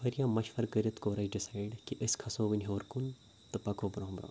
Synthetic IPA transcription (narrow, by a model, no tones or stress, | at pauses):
fɐɾjãːmɐʃʋɐɾkəɾit̪koːɾɐd͡ʒɖisaːɪɖkiʔəskʰɐsõːʋɨnʲɦoːɾkun | t̪ɨpɐkoːbɾõːbɾo̰ː